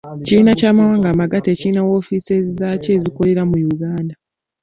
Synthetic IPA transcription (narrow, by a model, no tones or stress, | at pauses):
ciinacaːmawaːŋɡamaɡatecinawo̞fisezace̞ːziko̞le̞ɾamujuɡaːnda